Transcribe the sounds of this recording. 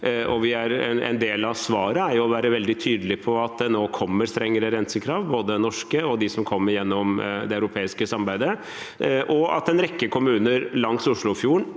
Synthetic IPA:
ɔʋɪæɾɛ̰ɛ̰nd̪eːlɑʋsʋɑːɾəæɾjʊɔʋæːɾəʋɛld̪ɪt̪ʰyːd̪əlɪpʰɔɑt̪̚d̪ɛnoːkʰɔmːəɾst̪ɾɛŋːəɾəɾɛnsəkʰɾɑːʋboːd̪ənɔʂkəɔd̪ɪsɔmkʰɔmːəɾjɛnːɔmd̪ɛɑʉɾʊpʰeːɪskəsɑmbæɪd̪ə | ʔɔɑ̰t̪ɛnɾɛkːəkʰʊmʉːnəɾlɑŋsʊʂɭʊfjuːɳ

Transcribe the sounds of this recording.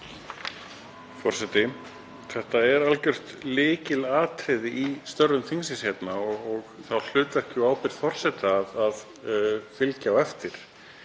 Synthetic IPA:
fɔr̥sɛt̪ɪ | θɛht̪aɛɾalcʏr̥t̪lɪːcɪlaːt̪ɾɪðɪʔist̪œrːʏmθiŋsɪshɛt̪naɔɔɣθawl̥ʏːt̪vɛr̥cʏaːwpɪɾ̥fɔr̥sɛt̪aːðað | fɪlcawɛft̪ɪɾ̥

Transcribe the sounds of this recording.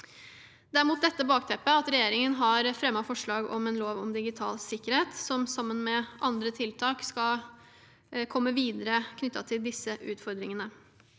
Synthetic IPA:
d̪æɾɪmuːt̪̚d̪ɛt̪ːəbɑːk̚t̪ʰɛpːəɑt̪ɾɛjeːɾɪŋənɦɑɾfɾɛmːɑfɔʂɭɑːɡɔ̰mɛnloːʋɔ̰md̪ɪɡɪt̪ʰɑ̰ːlsɪkːəɾheːt̪sɔmsɑmːənmɛʔɑnd̪ɾət̪ʰɪlt̪ʰɑːkskɑ | kʰɔmːəʋiːd̪əɾəkʰnʏt̪ːɑt̪ʰɪld̪ɪsːəʔʉːt̪fɔɾd̪ɾɪŋənə

